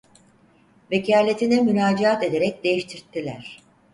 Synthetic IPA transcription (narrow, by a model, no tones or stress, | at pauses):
ve̞cʰaːlʲe̞t̪ʰinɛmynaːd͡ʒiat̪e̞d̪e̞ɾɛc̚d̪e̞jiʃt̪ʰiɾt̪ʰːilʲæɾ̥